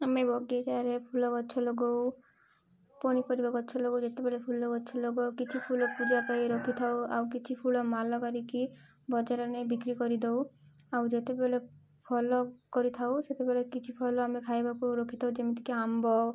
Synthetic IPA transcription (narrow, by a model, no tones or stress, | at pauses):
amebɔɡiet͡ʃaɾepʰulɔkɔtːʃʰɔlɔɡow | pɔɽ̃ikɔɾibakɔːt͡ʃʰɔlɔɡowd͡ʒet̪ebɛlepʰulɔkɔtːt͡ʃʰɔlɔɡɔkit͡ʃʰipʰulɔpud͡ʒapajɾɔkʰit̪ʰawa̰wkit͡ʃʰipʰulɔmalɔkaɾiki | bɔd͡ʒaɾɔnebikɾikɔɾid̪ow | awd͡ʒet̪ebɛle | pʰɔlɔkɔɾit̪ʰawset̪ebɛlekit͡ʃʰipʰɔlɔamekʰajbapɔuɾɔkʰit̪ʰaud͡ʒemit̪ʰi̥keambɔ